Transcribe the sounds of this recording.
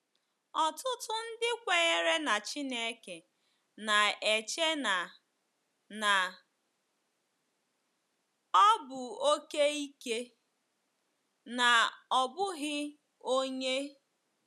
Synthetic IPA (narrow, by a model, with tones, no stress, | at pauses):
ɔ˨tʊ˦tʊ˦n̩˦dɪ˦kʷe˨ɣe˦ɾe˦na˨t͡ʃi˦ne˦ke˨ | na˨e˨t͡ʃe˦na˨ | na˨ | ɔ˦bʊ˨o˦ke˦i˦ke˦ | na˨ɔ˨bʊ˦ɣɪ˦ | o˦ɲe˦